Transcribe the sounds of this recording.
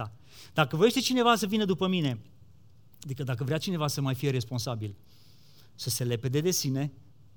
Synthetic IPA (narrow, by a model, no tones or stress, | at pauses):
a | d̪akəvoje̞ʃt̪e̞t͡ʃine̞vasəvinəd̪upəmine̞ | ad̪ikəd̪akəvɾeat͡ʃine̞vasəmajfije̞ɾe̞spo̞nsabil | səse̞le̞pe̞d̪e̞d̪e̞sine̞